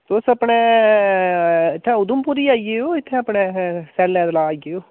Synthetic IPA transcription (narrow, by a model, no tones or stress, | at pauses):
t̪ʊsəpɳeː | ɪt̪ʰːẽːʊd̪ʊmpuːɾiːaːiɡeoːɪt̪ʰːeːəpɳeːsɛːlːɛ̃ːd̪əlaːiɡeoː